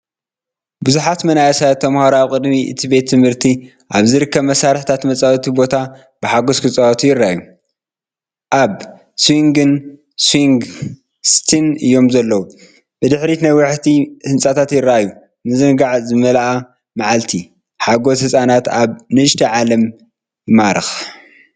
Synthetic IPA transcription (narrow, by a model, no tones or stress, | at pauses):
bɨzuħat̪mɐnajɐsajt̪ʰɐmhoɾawkʼɨd̪miʔɨ̰t̪ʰibe̞t̪ʰːɨmhɨɾt̪ʰi | ʔaβzɨɾɨkːɐβmɐsaɾħt̪ʰat̪mɐt͡sʼawt̪ʰibo̞t̪ʰa | b̥ɨħaɡoskʰɨt͡sʼawɐt̪ʰujɪɾːaju | ʔaβ | swiŋɡɨn | swiŋɡ | st̪ʰinɨjːo̞mzɐlːɐwu | b̥ɨd̪ɨħɾinajwaħt̪ʰihɨnsʼat̪ʰat̪jɪɾajːu | nɨzɨnɡaʕzɨmɐlʔa | maʕalt̪ʰi | ħaɡo̞shɨsʼanat̪aβnɨɨʃt̪ʰɐʕalɐm | jɨmaɾɨx